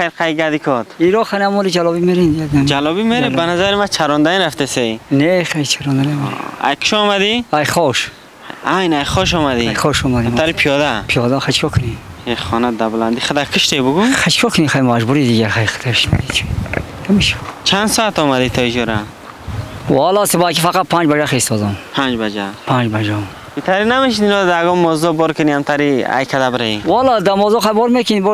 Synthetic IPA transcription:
ajɾqʰajɡad̪ikʰɔt̪iɾɔχanamɔlid͡ʒalɔbimeɾind̪iad̪and͡ʒalɔbimeɾebanazaɾimat͡ʃʰaɾɔnd̪aniɾaft̪esejneχajt͡ʃʰaɾɔnd̪anameɾa̰jkʰi̥ʃɔːmad̪iajχɔʃ | ajnajχɔʃ̬ɔmad̪iajχɔʃɔmad̪imt̪ʰːaɾipʰijɔd̪apʰijɔd̪aχat͡ʃkʰɔkʰəni | eχɔnad̪abland̪iχəd̪akʰəʃt̪ebuɡuχat͡ʃkʰɔkʰənixajmad͡ʒbuɾid̪iɡaɾxajχə̥t̪ʰaʃna̰d̪it͡ʃʰi̥ | hamiʃt͡ʃʰand̪sɔat̪ɔmad̪it̪ʰɔid͡ʒɔɾa | wɔlɔsəbajkʰifaqat̪̚pʰand͡ʒbad͡ʒaχeist̪ɔd̪ɔmpʰand͡ʒbad͡ʒapʰand͡ʒbad͡ʒɔm | bit̪ʰaɾinameʃ̬id̪inɔd̪aɡɔmːɔzɔbɔɾkəniamt̪ʰaɾia̰jkʰad̪abəɾeiwɔlɔd̪amɔzɔχajbɔɾmekʰinibɔ

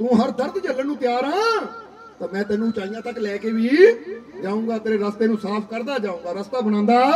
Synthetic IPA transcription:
t̪ũːɦəɾd̪əɾt̪d͡ʒəlːənũːt̪ɪjaːɾãː | t̪aːmɛ̃ːt̪ɛːnũːt͡ʃaːijãːt̪əklɛːkeːʋiːd͡ʒaːũːɡaːt̪eːɾeːɾəst̪eːnũːsaːpʰkəɾd̪aːd͡ʒãːũːŋɡaːɾəst̪aːbənãːnd̪aː

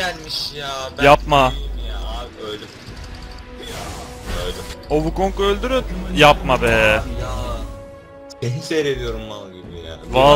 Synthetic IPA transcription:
ælʲmiʃjaːjapmajaøjlɛ | jaøjlɛobukoŋkølʲd̪yɾynjapmabɛːj | enisejɾed̪ijo̞ɾumbanˠaɟibija̰ːva

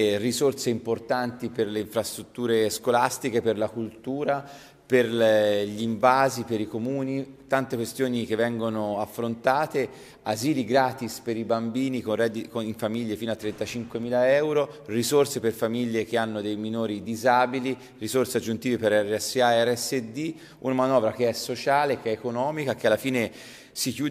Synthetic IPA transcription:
rizorseimport̪ant̪iperleiɱfɾast̪ɾut̪ːuːɾeskolast̪ikeperlakult̪uːɾa | perlʎiɱvaːzipeɾikomuːnit̪ant̪ekwest̪joːnik̟evːɛŋɡonoafːɾont̪aːt̪e | aziːliɡɾaːt̪ispeɾibambiːnikonrɛd̪ikoiɱfamiʎːefiːnoat̪ːɾɛnt̪at͡ʃiŋkwemiːlaɛwɾorizorseperfamiʎːekeanːod̪ejminoːɾid̪izaːbili | rizorsead͡ʒːunt̪iːvepeɾɛrːɛsːeaɛrɛsːed̪i | unamanɔːvɾakeɛsot͡ʃaːlekeɛːkonɔːmikakealːafiːne | sikjuːd

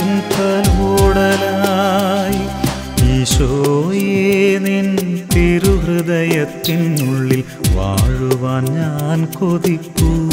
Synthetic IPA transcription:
int̪ɐloːɽɐla | ji | iɕojenint̪iɾuɦrɨðɐjɐt̪ːinuɭːil | ʋa̰ːɻuʋɐɲːaːnkoðikːu

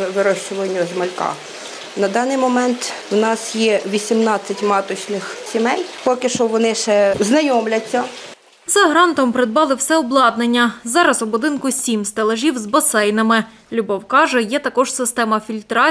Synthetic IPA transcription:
ʋɪɾɔʃt͡ʃʊʋɐnʲːɐzmɐlʲkɑ̰ | nɐd̪ɑnɪjmɔmɛnt̪ | wnɑsjɛʋʲisʲimnɑt͡sʲːɐtʲmɑt̪ɔt͡ʃnɪxsʲimɛjpɔkɪʃɔʋɔnɪʃɛznɐjɔmlʲɐt͡sʲːɐ | zɐɦɾɑnt̪ɔmpɾɪd̪̚bɑlˠɪwsɛɔblˠɑd̪̚nenʲːɐzɑɾɐsʊbʊd̪ɪnkʊsʲimst̪elˠɐʒʲiwzbɐsɛjnɐmɪ | lʲʊbɔwkɑʒɛjɛt̪ɐkɔʒsɪst̪ɛmɐfʲilʲt̪ɾɑ

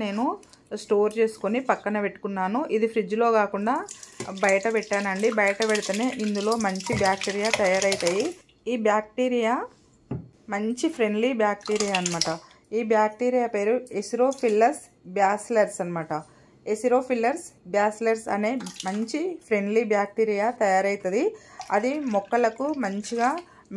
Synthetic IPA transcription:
ne̞ːnu | sʈo̞ːɾt͡ʃe̞ːsu̥konipɐkːɐnɐpe̞ʈːu̥kunːaːnuʔid̪ipʰɾid͡ʒulo̞ːkaːkuɳɖaːbɐjɐʈɐpɛʈːaːnɐɳɖibɐjɐʈɐpeɽit̪ɐneːʔind̪ulo̞ːmɐɲt͡ʃibjaːk̚ʈiːɾijaːt̪ɐjaːɾɐjt̪aːji | iːbjaːk̚ʈiːɾijaː | mɐɲt͡ʃipʰɾe̞ɳɖlibjaːk̚ʈiːɾijaːɐnimaːʈɐ | iːbjaːk̚ʈiːɾijaːpe̞ːɾuesiɾo̞ːpʰilːɐɾs | bjaːslɐɾsɐnimaːʈɐ | esiɾoːpʰilːɐɾsbjaːslɐɾsɐ̰ne̞ːmɐɲt͡ʃipʰɾeɳɖliːbjaːk̚ʈiːɾijaːt̪ɐjaːɾɐjt̪ɐd̪iɐd̪imɔkːɐlɐkumɐɲt͡ʃiɡaː

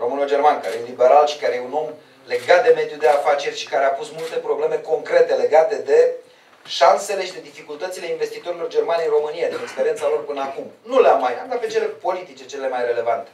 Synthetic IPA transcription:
ro̞mɨnuld͡ʒe̞rmankaɾejelibe̞ɾalʃi̥kaɾe̞jeuno̞m | le̞ɡat̪̚d̪e̞me̞d̪jud̪e̞afat͡ʃe̞rʲʃi̥kaɾe̞apusmult̪e̞pɾo̞ble̞me̞ko̞ŋkɾe̞t̪e̞le̞ɡat̪e̞d̪e̞ | ʃanse̞le̞ʃid̪e̞d̪ifikult̪ət̪sile̞inve̞st̪it̪o̞ɾilo̞rd͡ʒe̞rmaneiro̞mɨnijad̪ine̞kspeɾient̪salo̞rpɨnəakumnuleamːajanɡ̪ape̞t͡ʃe̞le̞po̞lit̪it͡ʃe̞t͡ʃe̞lelemajre̞le̞vant̪e̥

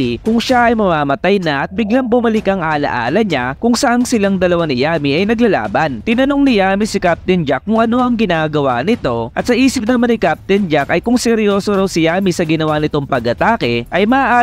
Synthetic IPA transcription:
ikʊŋʃaʔɐjmɐmaːmɐt̪ajnɐʔɐt̪̚mɪɡlɐŋbʊmɐlɪkɐŋʔaːlɐ̰ʔa̰ːlɐɲakʊŋsɐʔaŋsɪlaŋd̪ɐlɐwanɪjaːmiʔɐjnɐɡlɐla̰ːbɐnt̪ɪnɐnoŋnɪjaːmisɪkap̚t̪ɪnd͡ʒakːʊŋʔɐno̞ʔɐŋɡɪnaːɡɐwanɪt̪o̞ʔɐt̪sɐʔiːsɪp̚nɐmanɪkap̚t̪ɪnd͡ʒakɐjkʊŋsɛɾjo̞ːsoɾɐwsɪjaːmisɐɡɪnɐwanɪt̪o̞ŋpɐɡɐt̪aːkɛʔɐjmɐaʔaː

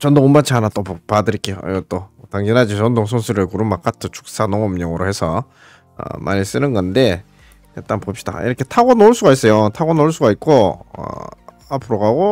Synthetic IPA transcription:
t͡ɕʌndoonmat͡ɕʰianat͈oppadɯɾik͈ejo̰ḭɡʌt͈otaŋɡinad͡ʑiʌndoŋsʰonsʰɯɾɯɭkuɾumːak͈atʰɯt͡ɕʰu̥k̚s͈anoŋʌmɲʌŋɯɾohe̞sʰʌ | ʌ̰mʔa̰ɲis͈ɯnɯnɡʌnde̞ | et͈anpop̚ɕ͈i̥d̥a̰ḭɾʌkʰe̞tʰaɡonoɭs͈uɡais͈ʌjotʰaɡonoɭs͈uɡaik̚k͈oʌ̰ | apʰɯɾoɡaɡo

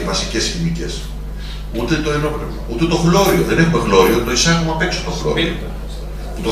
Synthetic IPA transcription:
vɐsice̞sçinice̞s | ut̪et̪oenopɾ | ut̪et̪o̞xlo̞ɾioðenexume̞ɣlo̞ɾiot̪o̞isɐxomɐpeksot̪oxlo̰i | ut̪o

